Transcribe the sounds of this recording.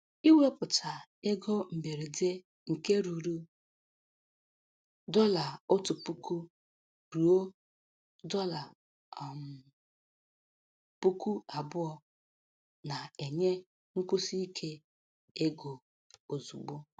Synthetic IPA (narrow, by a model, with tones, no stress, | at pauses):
i˦we˦pʊ˨tʰa˨ | e˦ɡɔ˦m̩˨be˨ɾe˨de˦ | ŋ̩˨ke˦ɾu˨ɾu˦ | dɔ˦la˨ʊ˦tʊ˨pu˦ku˦ | ɾu˨o˦ | dɔ˦la˨ | m | pu˦ku˦a˨bʊ˦ɔ˦ | na˨e˨ɲe˦ | ŋ̩˦kʊ˦si˦i˦kʰe˦ | e˦ɡo˨ | o˨zu˨ɡ͡bo˦